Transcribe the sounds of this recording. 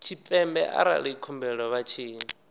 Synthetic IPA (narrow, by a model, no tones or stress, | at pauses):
t͡ʃʰit̪ɛmbɛʔa̰ɾa̰ɺikʰɔmbɛɺɔβat͡ʃʰiːni